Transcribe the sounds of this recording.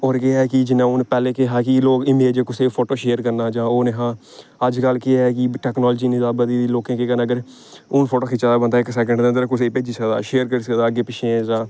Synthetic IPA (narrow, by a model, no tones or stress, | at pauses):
ɔːɾkɪaːɛːkɪd͡ʒɪnːãːoːnpɛːleːkeɦaːkɪloːkɪmeːd͡ʒkʊseːpʰoːʈoːʃeːəɾkəɾnaːd͡ʒãːoːneːɦãː | əd͡ʒkəlkɪaːɛːk̬ɪʈɛːknɔːld͡ʒiːnɪd̪aːbəd̪iːd̪iloːkẽːkekənːəɡəɾ | oːnpʰoːʈoːkʰɪt͡ʃad̪aːbənd̪aːɪksɛːk̬ə̃ɳɖd̪eəndəɾakʊseːpeːd͡ʒiːsəkd̪a̰ːʃeːəɾkəɾiːsəkd̪aːəɡeːpɪʃʰẽːzaː